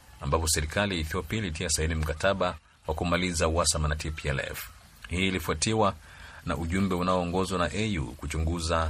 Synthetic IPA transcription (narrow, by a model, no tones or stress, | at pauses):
ambapɔsɛɾikalijaiθiɔpiailitiasainim̩kataɓa | wakumalizawasamanatʰipiɛlɛ̰f | hiːlifuatiwa | na̰ʔuʄumbɛunaɔːŋɡɔzwanaʔɛjṵkut͡ʃuŋɡuza